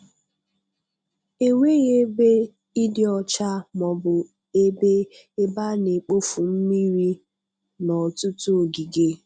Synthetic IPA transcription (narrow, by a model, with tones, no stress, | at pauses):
e˦we˦ɣe˦be˦ | i˦dɪ˦ɔ˨t͡ʃa˦mɔ˨bʊ˨ | e˦be˦ | e˦ba˦ne˨k͡po˦fu˨m̩˦mi˦ɾi˦ | nɔ˨tʊ˦tu˦o˨ɡi˨ɡe˦